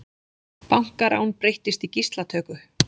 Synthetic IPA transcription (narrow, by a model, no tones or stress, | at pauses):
pawŋ̥kaɾʔa̰ːwnpɾejht̪ɪst̪icist̪lat̪ʰœːkʏ